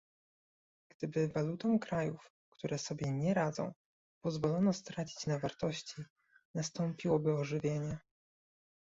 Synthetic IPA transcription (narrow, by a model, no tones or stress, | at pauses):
ɡ̥d̪̥ɘbɘvalut̪ɔw̃kɾajuf | kt̪uɾʔɛsɔbʲjɛɲɛɾad̪zɔ̰̃w̃ | pɔzvɔlɔnɔst̪ɾat͡ɕi̥t͡ɕnavaɾt̪ɔɕt͡ɕi | nast̪ɔmpʲiwɔbɘɔʐɘvʲjeɲɛ